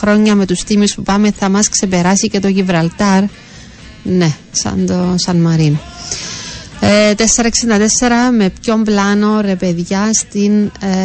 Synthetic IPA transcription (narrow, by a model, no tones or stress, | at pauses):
ɾo̞ɲːɐme̞t̪ust̪imispupɐme̞θɐmɐskse̞pe̞ɾɐsice̞t̪o̞ʝivɾɐlt̪ɐɾ | ne̞ | sɐ̰nd̪osɐnmɐɾin | t̪e̞sːe̞ɾɐeksind̪ɐt̪e̞sːe̞ɾɐme̞pço̞mblɐno̞ɾe̞pe̞ðʝɐst̪in